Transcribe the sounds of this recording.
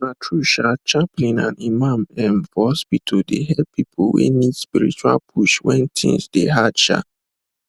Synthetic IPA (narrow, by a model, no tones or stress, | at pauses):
matʰɹuʃat͡ʃãmpɔ̃nãnimãmɛ̃nvɔspitʰodeɦɛlpʰipʰowḛnidspiɹḭt͡ʃua̰lpʰuʃwɛ̃ntʰḭ̃nsdeɦadʃa̰